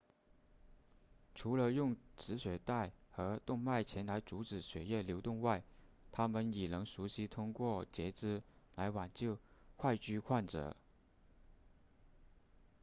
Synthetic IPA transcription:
ʈ͡ʂʰu˧˥lə˧jʊ˥˩ŋʈ͡ʂɻ̩˧˥ɕɥɛ˨˩t̪a˥˩ɪxɤ˧˥t̪ʊ˥˧ŋma˥˩ɪt͡ɕʰjɛ˧˥nla˧˥ɪt͡su˧˥ʈ͡ʂɻ̩˨˩ɕɥɛ˨˩jɛ˥˩ljo˧˥ʊt̪ʊ˥˧ŋwa˥˩ɪt̪ʰa˥mə˨nɛ˨˩nɤ˧˥ŋʂu˧˥ɕi˧˥t̪ʰʊ˥ŋkwɔ˥˩t͡ɕjɛ˧˥ʈ͡ʂɻ̩˥la˧˥ɪwa˨˩nt͡ɕjo˥˧ʊxwa˥˧ɪt͡ɕy˥˧kʰwa˥˩nʈ͡ʂɤ̰˨˩˦

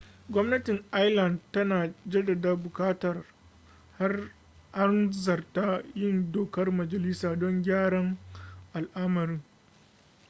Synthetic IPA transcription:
ɡʷɔ˦mnɐ˦tɪ˨ŋʔa˦jlɐ˨ndtɐ˦naː˨d͡ʒɐ˦dɐ˨daː˦bʊ˨kaː˦tɐ˨r | ha˦r | ha˦nzɐ˨rta˦jɪ˦˨ndoː˨kɐ˦rmɐ˨d͡ʒɐ˨lɪ˦saː˨dɔ˦ŋɡʲaː˦ɽɐ˦ŋʔa˨lʔa˦mɐ˨ɾɪ˦ŋ

